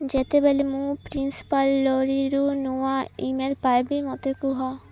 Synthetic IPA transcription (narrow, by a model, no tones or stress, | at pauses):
d͡ʒet̪ebelemũpɾinsi̥palːɔɾiɾunuaimelpajbemɔt̪ekuɦɔ